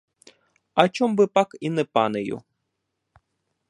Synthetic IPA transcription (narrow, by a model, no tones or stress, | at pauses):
ɐt͡ʃɔmbɪpɑkinɛpɑnɪjʊ̰